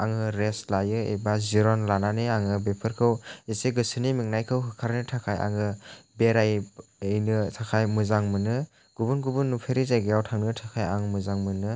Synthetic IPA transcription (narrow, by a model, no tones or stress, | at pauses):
aŋɯɾeslajɯḛbaziɾɔnlananeaŋɯbepʰɯɾkʰɯweseɡɯsɯnimiŋnajkʰɯwɦɯkʰaɾnɯtʰakʰaja̰ŋɯbeɾajejnɯsʰakʰajmɯzaŋmɯnɯ | ɡ̥ubunɡubunːupʰeɾizajɡejawtʰaŋnɯtʰakʰaja̰ŋmɯzaŋmɯnɯ